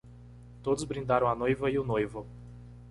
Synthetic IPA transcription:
t̪od̪ʊzbɾĩnd̪aɾɐ̃w̃ɐnojvɐiʊnojvʊ

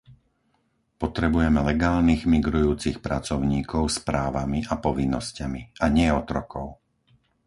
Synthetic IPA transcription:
pɔt̪ɾɛbujɛmɛlɛɡaːlniɣmiɡɾujuːt͡sixpɾat͡sɔʊɲiːkɔʊspɾaːʋamiʔapɔʋinːɔscamiaɲɪɛɔt̪ɾɔkɔʊ

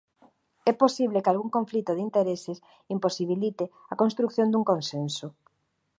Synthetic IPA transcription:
ɛposiβlekalɣuŋkõɱflit̪oðint̪eɾesɪs | imposiβ̞ilit̪ɪakonst̪ɾukθjond̪uŋkonsensʊ

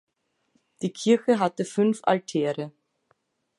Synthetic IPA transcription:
d̥iːkʰɪɐçəɦatəfʏnfa̰ltʰɛːʁə

